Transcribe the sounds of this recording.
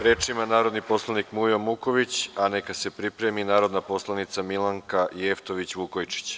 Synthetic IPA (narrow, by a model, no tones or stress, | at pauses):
ɾe̞ːt͡ʃimanaːɾod̪nipo̞slˠanikmujomuko̞ʋit͡ɕane̞kase̞pɾipɾe̞minaːɾo̞d̪napo̞slˠanit̪samilˠaŋkajeft̪o̞ʋit͡ɕʋukojt͡ʃi̥t͡ɕ